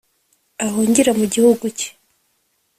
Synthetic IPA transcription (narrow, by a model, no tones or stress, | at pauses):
ahoːɲɟiɾamuɟihuɡuce̥